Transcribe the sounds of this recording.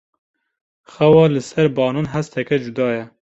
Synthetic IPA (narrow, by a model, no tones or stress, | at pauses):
xɛwɑːlɨsɛɾbɑːnɑnɦæst̪ʰɛkɛd͡ʒud̪ɑːjɛ